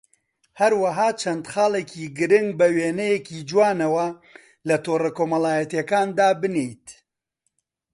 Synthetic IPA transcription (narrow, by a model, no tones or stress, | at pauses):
hɐɾwɐɦaːt͡ʃʰɐnd̪xaːlekʰiːɡɨɾɪŋɡ̚bɐweːnɛjekiːd͡ʒwaːnɐwɐ | lɐt̪oːrɐkoːmɐlaːjɐt̪jɐkaːnd̪aːbɨnejt̪